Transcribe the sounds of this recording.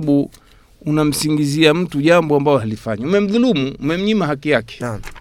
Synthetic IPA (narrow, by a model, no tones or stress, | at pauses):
ɓu | unam̩siŋɡiziam̩tuʄambɔambaɔɦalifaɲaumɛm̩ðulumuumɛm̩ɲimaɦakijakɛ̥